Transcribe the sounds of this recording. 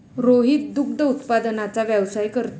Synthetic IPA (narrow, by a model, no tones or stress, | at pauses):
ɾoɦiːt̪̚d̪uk̚d̪əut̪pad̪ənat͡saʋjɛʋsajkəɾt̪